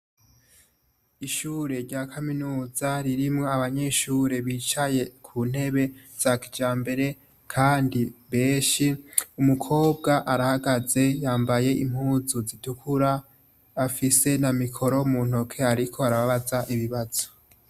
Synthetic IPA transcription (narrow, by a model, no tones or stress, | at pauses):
iʃuːɾe̞ɾɟaːkʰaminuːzaɾiɾimŋo̞aβaɲeʃuːɾe̞βiːt͡ʃaje̞kʰuːn̥he̞βe̞z̥aki̥d͡ʒaːmbe̞ɾe̞ | kʰaːndiβe̞ːʃiumukʰo̞ːb̚ɡaʔaɾahaɡaze̞jaːmbaje̞ʔim̥huːzuzitukʰuɾaː | fise̞namikʰo̞ɾo̞muːn̥o̞kʰe̞aɾikʰo̞aɾaβaβazaʔiβiβaz̥o̥